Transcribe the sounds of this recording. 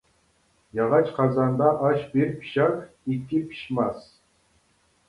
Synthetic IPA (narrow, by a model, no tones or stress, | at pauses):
jɑʁɑt͡ʃqʰɑzɑnd̪ɑʔɑʃbeɾpʰi̥ɕɑk | ikʲːipʲʰi̥ɕmɑs